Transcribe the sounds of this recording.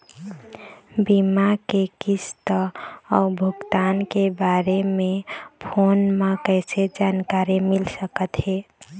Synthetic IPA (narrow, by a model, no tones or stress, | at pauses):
bimakekist̪əɔbʱʊɡt̪ankebaɾemepʰonmekəɪsed͡ʒankaɾimilsəkət̪ɦe